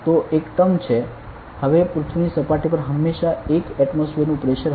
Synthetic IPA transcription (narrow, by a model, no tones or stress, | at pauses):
t̪oʔekt̪əmt͡ʃʰe | həʋepɾut̪ʰʋunisəpaʈipəɾɦəmːeʃaekɛʈmosfiɾnũpɾeʃəɾ